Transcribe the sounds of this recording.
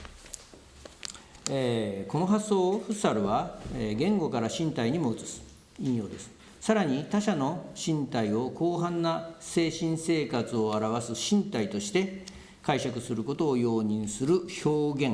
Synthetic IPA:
eko̞no̞ɦasːo̞ːɸɯ̟saɾɯ̟βaɡẽ̞ŋɡo̞kaɾaɕĩnt̪aiɲ̟imo̞ɯ̟t͡sɨ̥sɨ̥ | ĩɰ̃jo̞ːd̪e̞sɨ̥ | saɾaɲ̟it̪aɕano̞ɕĩnt̪aio̞ko̞ːɦãnːase̞ːɕĩɰ̃se̞ːkat͡sɨo̞aɾaβasɨɕĩnt̪ait̪o̞ɕi̥t̪e̞ | kaiɕakɯ̟sɨɾɯ̟ko̞t̪o̞ːjo̞ːɲ̟ĩɰ̃sɨɾɯ̟ço̞ːɡẽ̞ŋ

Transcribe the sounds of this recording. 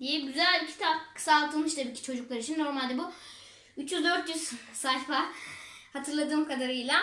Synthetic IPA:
d̪ijɛɟyzælʲcʰi̥t̪ʰapkʰɯ̥saːlˠt̪ʰɯlˠmɯʃt̪ʰabiːcʰi̥t͡ʃʰo̞d͡ʒuklˠaɾit͡ʃʰinːo̞ɾmalʲd̪ɛbu | yt͡ʃjyzd̪øɾt̪jyz̥salʲfa | hat̪ʰɯɾlˠad̪ɯːmkʰad̪aɾɯjlˠa

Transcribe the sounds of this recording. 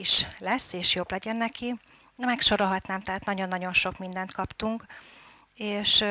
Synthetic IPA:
iʃlɛsːeːʃjoblɛɟɛnːɛki | d̪ɛmɛkʃo̞ɾolɦɒt̪naːmt̪ɛɦaːt̪nɒɟo̞nːɒɟo̞nʃo̞kmind̪ɛnt̪kɒpt̪uŋk | eːʃ

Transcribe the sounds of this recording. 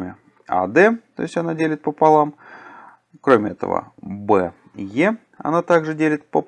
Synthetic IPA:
mʲɪ | a̰d̪ɛt̪o̞̰ɪsʲtʲɐnadʲelʲɪt̪̚pəpalˠam | kɾomʲɪɛt̪ə̰və̰bɛ | je | ɐ̰nat̪aɡʐɨdʲelʲɪt̪̚pəp

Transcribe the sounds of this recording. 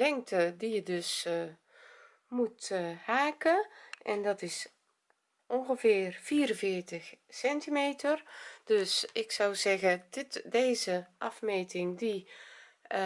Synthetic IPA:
lɛŋktʰədijədøs | muthaːkəʔɛndɔtɪs | ʔɔnɣəvɪːrfiːɾə̃nvɪːrtəxsɛntimeːtərd̥øsɪksawzɛɣəɪtdeːzəʔɑfmeːtɪŋdi

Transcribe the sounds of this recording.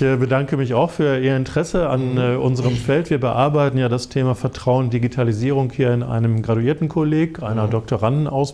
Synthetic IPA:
bədaŋkəmɪçaʊxfyːɐʔiːɐɪntəʁ̥ɛsəa̰nːʔʊnzəʁəmfɛltv̥iːɐbəʔa̰ɐbaɪtn̩jaːdastʰeːmafɛɐtʁ̥aʊəndiɡitʰaliziːʁ̞ʊŋkhiːɐɪnʔa̰ɪnəmɡʁatuiːɐtn̩kʰoleːkʔaɪnɐdɔk̚tʰoʁandn̩ʔa̰ʊs

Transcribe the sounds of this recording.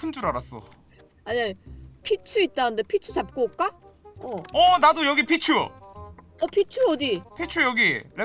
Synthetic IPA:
pʰund͡ʑuɾaɾas͈ʌ̰ | aɲapʰit͡ɕʰuit̚t͈anɯnde̞pʰit͡ɕʰut͡ɕap̚k͈ok͈a | ʌʌnadojʌɡipʰit͡ɕʰu | ʌpʰit͡ɕʰuʌdipʰit͡ɕʰujʌɡiɾe

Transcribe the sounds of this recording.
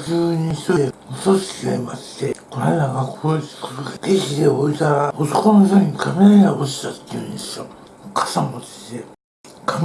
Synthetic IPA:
kɯːɲĩç̥t̪oemosoɕi̥kʲiaimast̪ekoɾaenaɡakʰːokoɾoɡapeɕid̪eoit̪aɾaot̪okonoç̪ʲoɲ̟ikʰameɾaɲaboɕi̥t̪at̪ːejɯ̰̃nd̪esɨjo | kḁsãmod̪ese | kʰam

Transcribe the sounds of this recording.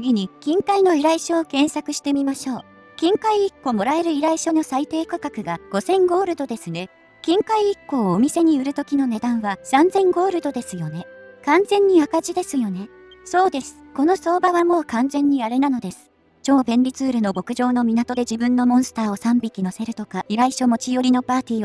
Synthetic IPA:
t͡sɨɡʲiɲ̟ikʲĩŋkaino̞iɾaiɕoːkẽ̞ɰ̃sakɯ̟ɕi̥t̪e̞mʲimaɕo̞ː | kʲĩŋkaiːkːo̞mo̞ɾae̞ɾɯ̟iɾaiɕo̞no̞sait̪e̞ːkakakɯ̟ɡaɡ̥o̞sẽ̞ŋɡo̞ːɾɯ̟d̪o̞d̪e̞sɨne̞ | kʲĩŋkaiːkːo̞ːmʲise̞ɲ̟iɯ̟ɾɯ̟t̪o̞kʲino̞ne̞d̪ãɰ̃βasãnd͡zẽ̞ŋɡo̞ːɾɯ̟d̪o̞d̪e̞sɨjo̞ne̞kãnd͡zẽ̞ɲ̟ːiakaʑid̪e̞sɨjo̞ne̞ | so̞ːd̪e̞sɨ̥ko̞no̞so̞ːbaβamo̞ːkãnzẽ̞ɲ̟ːiaɾe̞nano̞d̪e̞sɨ̥ | t͡ɕo̞ːbẽ̞nɾʲit͡sɨːɾɯ̟no̞bo̞kɯ̟ʑo̞ːno̞mʲinat̪o̞d̪e̞ʑibɯ̟̃nːo̞mõɰ̃sɨ̥t̪aːo̞sãmbʲikʲino̞se̞ɾɯ̟t̪o̞kaʔiɾaiɕo̞mo̞t͡ɕijo̞ɾʲino̞paːt̪ʲiːo

